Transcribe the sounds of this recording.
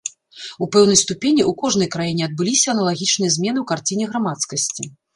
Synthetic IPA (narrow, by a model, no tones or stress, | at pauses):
upɛwnɐjst̪upʲenʲiʔukɔʐnɐjkɾajinʲɛɐd̪̚bɨlʲisʲɐɐnɐlˠaɣʲit͡ʂnɨjɐzʲmʲɛn̪ɨwkart͡sʲinʲɛɣɾamat̪skɐsʲt͡sʲi